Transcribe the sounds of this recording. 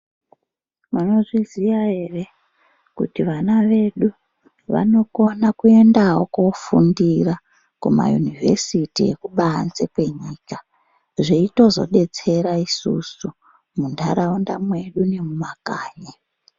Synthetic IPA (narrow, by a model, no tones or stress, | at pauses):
mano̞ʐiziʋae̞re̞ | kṵtiʋanaʋe̞ɗu | ʋa̰no̞ko̞nakue̞ndaɦo̞kofundira | kuma̰jṵnivʱe̞̰sitiḛkuɓaːnzekwe̞ɲiːka | ʐiito̞zo̞̰ɗe̞t͡se̞ɾaisṵsu | mundʱaɾaundamwe̞ɗune̞mumakaːɲe